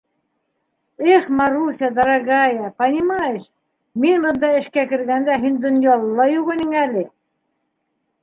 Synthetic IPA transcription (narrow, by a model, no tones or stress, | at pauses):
eχmɑɾusʲɑd̪ɑɾɑɡɑjɑpɑnʲimɑjeʃ | minlɤ̆nd̪ɑɘ̆ʃkækɘ̆ɾɡænd̪æɦinʲd̪onʲjɑlˠːɑjuʁɤniŋælɘ